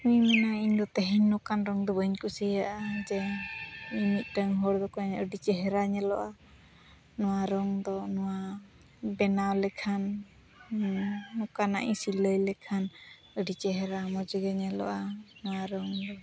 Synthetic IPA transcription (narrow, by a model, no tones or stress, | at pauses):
huimɛnaiɲd̪ɔt̪ɛɦiɲːɔkanɾɔŋd̪ɔbəɲkusəjaʔad͡ʒɛ | imit̪̚ˀʈəŋɦɔɽd̪ɔkɔɲəɖit͡ʃɛɦɛɾaɲɛlɔ̰ʔa | nɔwaɾɔŋd̪ɔnɔwa | bɛnawlɛkʰan | ɔkana̰ʔḭsiləjlɛkʰan | əɖit͡ʃɛɦɛɾamɔd͡ʒəɡɛɲɛlɔ̰ʔanɔwaɾɔŋd̪ɔ